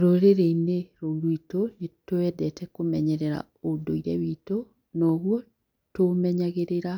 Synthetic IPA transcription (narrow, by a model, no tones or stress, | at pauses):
ɾoɾeɾeineɾolwitoetoɛdɛtʰɛkomɛɲɛɾɛɾa̰ | odoiɾɛ̰βito | nɔɣwɔ | tomɛɲaɣeɾeɾa